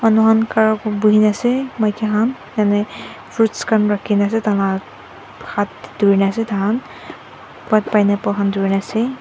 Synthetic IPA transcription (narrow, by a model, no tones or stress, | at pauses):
manuɦankaɹɔkbuɦinasɛmajkɛɦan | janɛ | fʰutskanɹakʰinasɛtana | xatduɹinasɛtaɦan | pɔt̚pajnapɔɦanduɹinasɛ